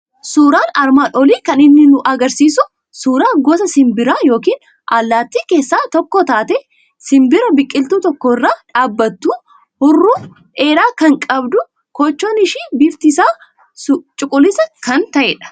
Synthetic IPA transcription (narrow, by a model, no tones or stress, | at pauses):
suːɾaːnɐɾmaːnɔliːkɐnɪnːɪnʊʔɐɡɐɾsiːsʊ | suːɾaːɡɔsɐsɪmbɪɾaːjo̞ːkiːn | ʔalːaːt̪ːiːke̞ːsːaːt̪ɔkːoːt̪aːt̪ɛ | sɪmbɪɾɐbɪkʼːɪlt̪uːt̪ɔkːɔːɪrːaːᶑaːbːɐt̪ːuː | hʊrːuː | ʔeːɾaːkɐŋkʼɐbd̪ʊ | kɔt͡ʃːoːnɪʃiːbɪft̪ɪsaː | ʊt͡ʃʼʊkʼʊlːɪsɐkɐnt̪ɐʔɛːᶑɐ̥